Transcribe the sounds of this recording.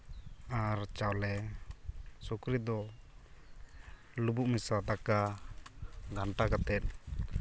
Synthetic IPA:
aɾt͡ʃawlɛ | sukɾid̪ɔ | lubuʔmisad̪aka | ɡaɳʈakat̪ɛt̪̚

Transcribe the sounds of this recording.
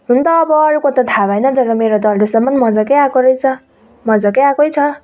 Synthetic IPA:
ɦunt̪ʌːbʌːɾukot̪ʌt̪ʰabajnʌd͡zʌɾʌmeɾot̪ʌldesʌmːʌnmʌd͡zʌkejakoɾʌjt͡sʰʌ | mʌd͡zʌkeakojt͡sʰʌ

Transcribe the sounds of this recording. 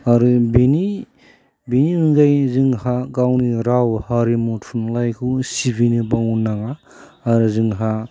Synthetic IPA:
aɾɯbini | biniɯŋɡajzɯŋhaɡawniɾawhaɾimutfʰunlajkʰusibinɯbaŋunaŋaː | ɾɯzɯŋɦa

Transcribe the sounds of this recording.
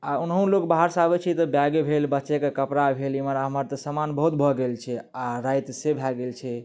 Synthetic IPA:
aunɦũlokbaɦəɾsabɛt͡ʃʰɛt̪ɔbjaɡebʱelbətːʃekekəpɾabʱeliməɾaɦəməɾt̪ɔsəmanbəɦut̪bʱɔɡelt͡ʃʰɛaɾajt̪sebʱaɡelt͡ʃʰɛ

